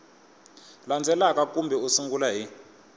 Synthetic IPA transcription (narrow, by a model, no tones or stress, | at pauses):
land͡zʱɛlakʼak̬ʼumbʱɛusiŋɡulaɦi